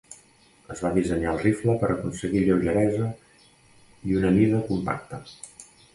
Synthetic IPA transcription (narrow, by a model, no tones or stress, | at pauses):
əzβaðizəɲalˠrifləpəɾʔəkunsəɣiʎəwʒəɾɛzə | iunəniðəkumpa̰k̚t̪ə